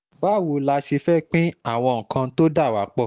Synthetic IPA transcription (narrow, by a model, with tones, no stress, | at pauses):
ba˨˦˨wo˧la˧ʃi˧fɛ˦k͡pĩ˦a˦˨w̃ɔ̃˧ŋ̩˨kʰã˧˦to˦da˦˨wa˨˦k͡pɔ˧˨